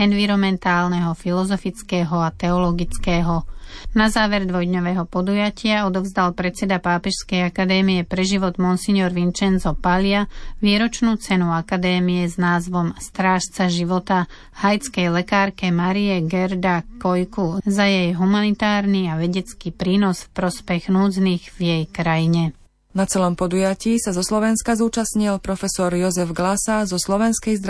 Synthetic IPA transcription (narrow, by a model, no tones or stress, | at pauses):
ɛnʋiɾɔmɛnt̪aːlnɛɦɔfilɔzɔfit͡skɛːɦɔat̪ɛɔlɔɡit͡skɛːɦɔnazaːʋɛɾd̪ʋɔjd̪ɲɔʋɛːɦɔpɔd̪ujacɪaɔd̪ɔvzd̪alpɾɛt͡sɛd̪apaːpɛʃskɛjakad̪ɛːmiɛpɾɛʒiʋɔd̪mɔnsiɲɔɾʋint͡ʃɛnzɔpaʎɪaʋiːɾɔt͡ʃnuːt͡sɛnuakad̪ɛːmiɛznaːzʋɔmst̪ɾaːʃt͡saʒiʋɔt̪a | hajt͡skɛjlɛkaːɾkɛmaɾiɛɡɛɾd̪akɔjkuzajɛjɦumanit̪aːɾniaʋɛɟɛt͡skipɾiːnɔsfpɾɔspɛɣnuːd͡zniːɣvjɛjkɾajiɲɛ | nat͡sɛlɔmpɔd̪ujaciːsazɔslɔʋɛnskazuːt͡ʃasɲilpɾɔfɛsɔɾjɔzɛvɡlasazɔslɔʋɛnskɛjzd̪ɾ